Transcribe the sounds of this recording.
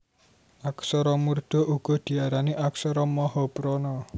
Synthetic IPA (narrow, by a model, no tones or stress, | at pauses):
aksɔɾɔmurd̪̥ɔ̤ʔuɡ̥ɔ̤d̪̥i̤aɾaniʔaksɔɾɔmɔhɔpɾɔnɔ